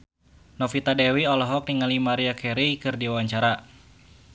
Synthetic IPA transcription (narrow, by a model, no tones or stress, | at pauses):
nɔfit̪adɛwiɔlɔɦɔk̚niŋalimaɾiakʰɛɾikɨrdiwawaɲt͡ʃaɾa